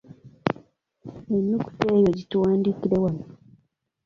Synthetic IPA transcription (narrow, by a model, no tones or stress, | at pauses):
enːuku̥teːjo̞ɟituwaːndikiɾe̞wano